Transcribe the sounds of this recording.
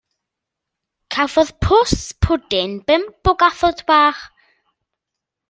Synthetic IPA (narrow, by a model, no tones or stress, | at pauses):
kʰavɔðpʰʊspʰʊdɪnb̥ɛmb̥ʊɡaθɔdbaːχ